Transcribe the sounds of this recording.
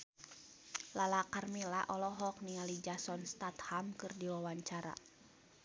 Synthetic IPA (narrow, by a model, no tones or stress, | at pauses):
lalakarmilaʔɔlɔɦɔk̚niŋalid͡ʒasɔnst̪at̪hamkɨrdiwawaɲt͡ʃaɾa̰